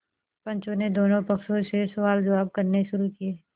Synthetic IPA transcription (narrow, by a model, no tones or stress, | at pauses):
pɐ̃ɲt͡ʃõned̪oːnõpɐkʃõsesɐʋaːld͡ʒɐʋaːb̚kɐɾneʃʊɾukieː